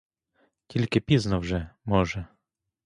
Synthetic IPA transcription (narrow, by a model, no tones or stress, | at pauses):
tʲilʲkɪpʲiznɔwʐɛmɔʒɛ